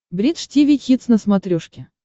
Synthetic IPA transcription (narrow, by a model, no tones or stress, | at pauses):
bɾʲit̪ʂtʲivʲixʲit̪snəsmat̪ɾʲuʂkʲɪ